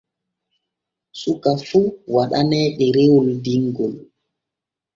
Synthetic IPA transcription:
sukafuwaɗanɛːɗɛɾewuldiŋɡɔl

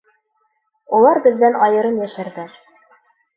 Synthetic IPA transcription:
ulˠɑɾbɘ̆ðːænɑjɤ̆ɾɤnjæʃæɾðæɾ

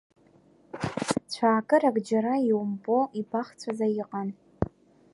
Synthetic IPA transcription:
t͡ɕʷʰaːkʼɨɾaɡd͡ʒaɾaiwʊmpʼoʔibaχt͡sʷʰazajɪqʼan

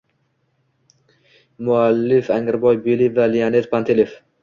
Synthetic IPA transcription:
mʊalːɪfaŋɪɾbɒjbelivalijanet̪̚pʰant̪ʰelef

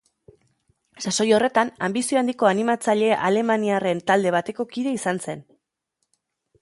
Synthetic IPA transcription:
saso̞jo̞re̞t̪anambisio̞and̪iko̞animat͡saʎe̞a̰le̞maniare̞nt̪ald̪e̞β̞at̪e̞ko̞kiðe̞isanse̞n

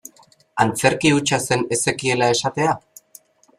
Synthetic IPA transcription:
ant͡se̞ɾkiut͡ʃase̞ne̞se̞kie̞lae̞sat̪e̞a

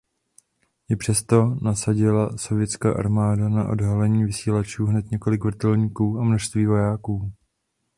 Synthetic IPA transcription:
jɪpr̥ɛst̪o̞nasaɟɪlaso̞vɪjɛt͡ska̰ːʔa̰ɾmaːdanaʔo̞̰dɦalɛɲiːvɪsiːlat͡ʃuːɦnɛt̪ɲɛko̞lɪkvɾ̩t̪ɛlɲiːkuːamnoʃst̪viːvo̞jaːkuː

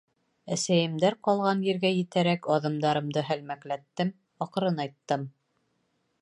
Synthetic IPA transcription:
æsæjɘ̆md̪æɾqɑlˠʁɑnjɘ̆ɾɡæjɘ̆t̪æɾækɒðɤ̆md̪ɑɾɤ̆md̪ɤɦælmæklæt̪ːɘm | ɑqɤ̆ɾɤnɑjt̪ːɤm

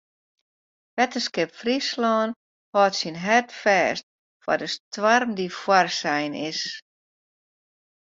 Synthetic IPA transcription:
ʋɛtəskɪpfrislɔːn | hɔːtsinɦɛrtfɛːst̚ | fɔ̰dəstwarmdifwɔrsɛjnɪs

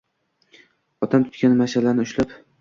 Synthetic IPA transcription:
ɒt̪ʰamt̪ʰʊ̥t̪̚kʲanmaʃalanɪʊʃlap

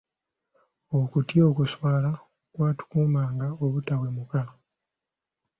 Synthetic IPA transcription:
okutjo̞ːkuswaːla | kwaːtu̥kuːmaːŋɡaoβutawe̞muka

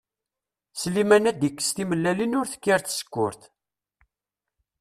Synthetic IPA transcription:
slimænæd̪jəkːə̥st̪iməlːælinʊɾθə̥kːəɾθsə̥kːʊ̰ɾθ

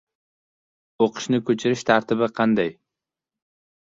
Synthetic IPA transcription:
oqʰɨ̥ʃnɪkʰɵt͡ʃʰɪɾɪʃt̪ʰaɾt̪ʰɪbɪqʰɑnd̪aj

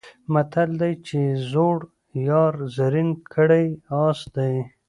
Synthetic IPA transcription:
mat̪ʰald̪ajt͡ʃezoɽ | jɑɾzaɾinkʰəɽajɑsd̪aj

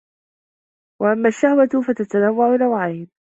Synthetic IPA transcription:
waʔamːaːʃːahwafat̪at̪anawːaʕʊnawʕaːn

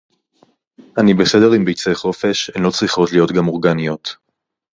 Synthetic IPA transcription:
ʔanibese̞de̞ʁimbejt͡seχo̞feʃenlo̞t͡sʁiχo̞tlijo̞tɡamo̞ʁɡanijo̞t

